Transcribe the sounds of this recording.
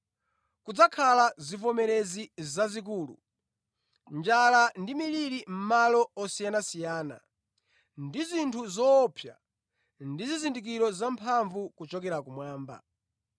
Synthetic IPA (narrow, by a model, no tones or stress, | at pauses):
kud͡zakʰalazifɔmɛɾɛzizazik̬uːlṵ | nd͡ʒalandimiɾiɾim̩malɔɔsijanasijaːna̰ | ndizintʰuzɔːpʰja̰ | ndizizindik̬iɾɔzampʰaɱvukut͡ʃɔkɛɾakumwaːmba̰